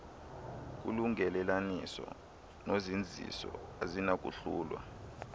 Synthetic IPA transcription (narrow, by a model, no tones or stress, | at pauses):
k̬ṵluŋɛlɛlanisɔ | nozind͡zʱḭsɔazinak̬ʼṵɬuːlwa̰